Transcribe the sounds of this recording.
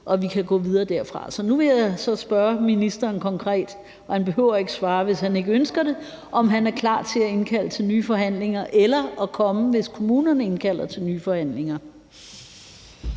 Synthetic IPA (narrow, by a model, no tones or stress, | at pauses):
ʔɒ̽ʋikʰæɡ̥ɔ̰ːʋið̞ˠɐːd̥æɐ̰fʁɑ̈sɒ̽nuʋe̝jasɒ̽sb̥ɶɐminisd̥ɐːnkʰɒ̽ŋkʰʁɛ̰ːd̥ | hænb̥e̝ɦøʊ̰ɐe̝ɡ̥əsʋɑ̈ːʋe̝shæne̝ɡ̥əønsɡ̥ɐɾe̝ | ʔɒ̽mɦænæɐkʰlɑ̰̈ːt͡sʰe̝æe̝nkʰæl̰ət͡sʰe̝lnyːfɒ̽ɦæn̰le̝ŋɐʔelɐɒkʰɒ̽məʋe̝skʰo̝muːnɐnəe̝nkʰæl̰ɐt͡sʰe̝lnyːfɒ̽hæn̰le̝ŋɐ